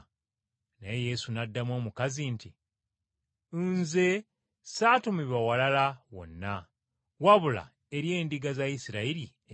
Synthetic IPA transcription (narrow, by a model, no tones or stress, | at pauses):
neeje̞sunadːamwo̞ːmukazinti | nze̞ | saːtumiβawalalawo̞̰nːa | waβula̰ | eɾje̞ːndiɡazajisiɾaiɾi